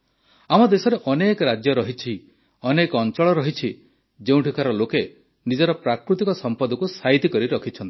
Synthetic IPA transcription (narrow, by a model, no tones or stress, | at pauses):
amɔd̪esɔɾeʔɔnekɔɾad͡ʒjɔɾɔɦit͡ʃʰi | ɔnekɔnt͡ʃɔɭɔɾɔɦit͡ʃʰi | d͡ʒeũʈʰikʰaɾɔloke | nid͡ʒɔɾɔpɾakɾut̪ikɔsɔmpɔd̪ɔkusaɦit̪ikɔɾiɾɔkʰit͡ʃʰɔnt̪i̥